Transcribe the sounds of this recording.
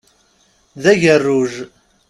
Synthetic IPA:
ðæʝərːuʒ

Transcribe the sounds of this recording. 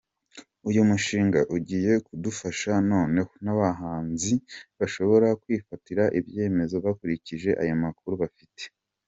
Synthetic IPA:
ujumuʃiːŋɡaʔuɟiːje̞kudufaʃano̞ːne̞honaβaɦaːnziβaʃo̞βo̞ɾakwiːfatiɾaʔiβje̞ːme̞zo̞βakuɾiciʒe̞ʔa̰jomakuɾuβafite̥

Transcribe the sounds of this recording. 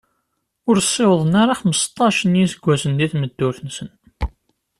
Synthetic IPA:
ʊɾsˤːewəðˤənaɾaχəmːəst̪ˤːɑʃənjisəɡʷːæsənd̪iθməd̪ːʊɾθənsən

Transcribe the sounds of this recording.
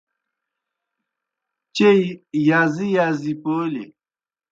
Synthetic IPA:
t͡ʃeijazijazipoːlḛ

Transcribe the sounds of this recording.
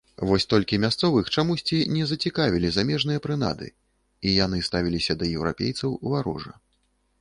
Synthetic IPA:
vɔsʲt̪ɔlʲkʲimʲast̪sɔvɨxt͡ʂamusʲt͡sʲinʲɛzɐt͡sʲikavʲilʲizamʲɛʐnɨjɐpɾɨna̰d̪ɨ̰ | ijan̪ɨst̪avʲilʲisʲɐd̪ɐjɛwɾa̰pʲḛjt̪sɐwvaɾɔ̰ʐɐ̰

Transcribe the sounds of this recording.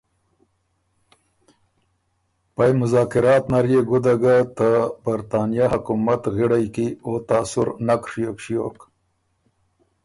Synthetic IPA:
pajmʊzɑːkɪɾɑːt̪naɾjeɡʊd̪aɡat̪abaɾt̪ɑːnijahakumat̪ɣiɽajkiot̪aːsʊɾnakʂijokʃijok

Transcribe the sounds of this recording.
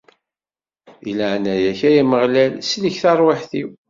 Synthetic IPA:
iləʕnæjæçæjæməʁlælsliçθɑɾˤweħθiw

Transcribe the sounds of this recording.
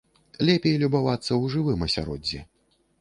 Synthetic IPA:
lʲɛpʲejlʲubavat̪sːɐwʐɨvɨmɐsʲa̰ɾɔ̰d͡zʲːɛ̰

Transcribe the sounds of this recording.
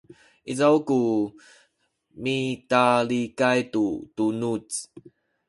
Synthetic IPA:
ʔizawku | mitalikajt̪ut̪unut͡s

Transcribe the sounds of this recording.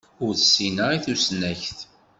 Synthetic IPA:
ʊɾθəsːinəɾiθusnæçθ

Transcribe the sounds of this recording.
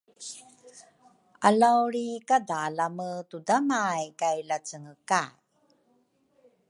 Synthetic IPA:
alawɾikadalamətudamajkajlat͡səŋəka

